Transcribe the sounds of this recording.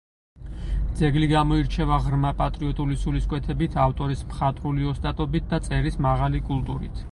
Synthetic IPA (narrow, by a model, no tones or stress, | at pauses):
d̪zɛɡliɡamɔiɾt͡ʃʰɛvaʁɾmapʼat̪ʼɾiɔt̪ʼulisuliskʼwɛt̪ʰɛbit̪ʰaft̪ʼɔɾismχat̪ʼɾuliɔst̪ʼat̪ʼɔbit̪̚ʰd̪at̪sʼɛɾismaʁalikʼulˠt̪ʼuɾḭt̪ʰ